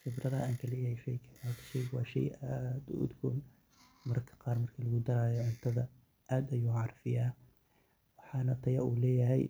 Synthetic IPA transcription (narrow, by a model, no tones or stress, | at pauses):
xɪb̪ɾɐðɐʔaːŋkʰɐlɛjɐhɛjʃɛjkʰɐaːt̪ʰʃɛjkʰwɑ̰ːʃɛ̰jʔad̪ṵʊ̰d̪ɡʰun | mɐɾkʰɐ̥qɑːɾmɐrkʰɐlɐɣʊd̪ɐɾaːjɔʕʊnt̪ʰɐðɐ | ʔaːd̪ɐjuːʕɑrˤɑfɪjaː | wɑħɑːnɐt̪ʰɐjɐ̰ʔṵːlɛːjɐɦɛ̰j